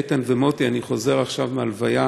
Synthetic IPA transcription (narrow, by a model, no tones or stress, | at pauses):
t̪anvemo̞t̪ianiχo̞ze̞ʁaχʃavmealvaja